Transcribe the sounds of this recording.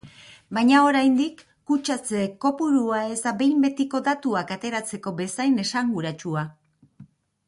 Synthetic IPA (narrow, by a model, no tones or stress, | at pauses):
bajɲao̞ɾajnd̪ikː | ut͡ʃat͡seko̞puɾuae̞zd̪abe̞jmbe̞t̪iko̞d̪at̪uakat̪e̞ɾat͡se̞ko̞be̞sajne̞saŋɡuɾat͡ʃua